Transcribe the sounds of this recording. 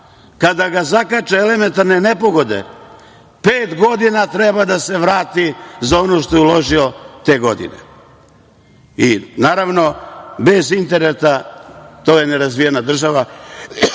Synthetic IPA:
kad̪aɡazakat͡ʃeele̞me̞nt̪aɾne̞ne̞po̞ɡo̞d̪e̞̰ | peːt̪ɡo̞d̪inat̪ɾe̞bad̪ase̞ʋɾaːt̪izao̞no̞ʃt̪o̞jeulo̞ʒiot̪e̞ɡo̞d̪ḭnḛ | inaːɾaʋno̞be̞zint̪e̞ɾet̪at̪o̞ːjeneɾazʋijenad̪r̩ʒaʋa

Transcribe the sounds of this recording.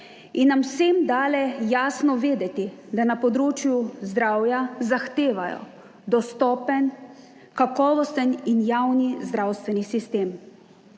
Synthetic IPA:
inːamsemd̪aːlɛjaːsnɔʋeːd̪ɛt̪id̪anapɔd̪ɾoːt͡ʃjuzd̪ɾaːwjazaxt̪eːʋajɔ̰ | d̪ɔst̪ɔːpən | kakɔːʋɔst̪əninjaːwnizd̪ɾawst̪ʋɛnisist̪eːm

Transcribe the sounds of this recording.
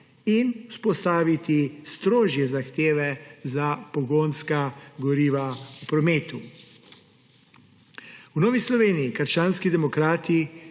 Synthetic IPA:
inuspɔst̪aːʋit̪ist̪ɾoːʒjɛzaxt̪eːʋɛzapɔɡoːnskaɡɔɾiːʋaupɾɔmeːt̪u | wnɔːʋislɔʋeːniikəɾt͡ʃaːnskid̪ɛmɔkɾaːt̪i

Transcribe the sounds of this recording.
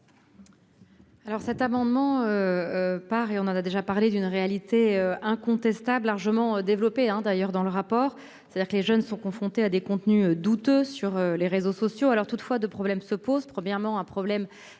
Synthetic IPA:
alɔʁsɛt̪amɑ̃d̪mɑ̃øpaʁeɔ̃nɑ̃nad̪eʒapaʁled̪ynʁealit̪eøɛ̃kɔ̃t̪ɛst̪ablːaʁʒəmɑ̃ød̪evlɔpeɛ̃d̪ajœʁd̪ɑ̃ləʁapɔːʁ | se̥t̪ad̪iʁkəleʒœnsɔ̃kɔ̃fχɔ̃t̪ead̪ekɔ̃t̪nyød̪ut̪øsyʁøleʁezosɔsjoalɔʁt̪ut̪fwad̪øpχɔblɛmsəpozpχəmjɛʁmɑ̃ɛ̃pχɔblɛm

